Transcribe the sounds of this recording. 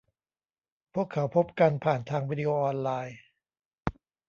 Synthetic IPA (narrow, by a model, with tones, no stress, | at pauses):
pʰu˥˩əkʰːa˩˦wpʰo˦˥p̚ka˧npʰaː˨˩nt̪ʰaː˧ŋwiː˦˥di˧ʔoː˧ʔɔː˧nlaː˧j